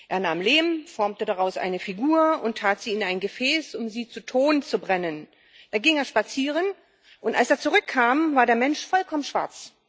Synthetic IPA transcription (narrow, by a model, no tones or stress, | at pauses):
ʔeːɐnaːmleːm̩fɔɐmtədaʁaʊsʔa̰ɪnəfiɡuːɐʊntʰaːtz̥iːɪnaɪnɡəfɛːsʊmziːt͡sutʰoːnt͡subʁɛnən | d̥aːɡɪŋeːɐʃpat͡siːʁ̞ən | ʔʊntʔalseːɐt͡suʁʏkʰːaːmvaːɐɾeːɐmɛnʃfɔlkʰɔmənʃv̥a̰ɐt͡s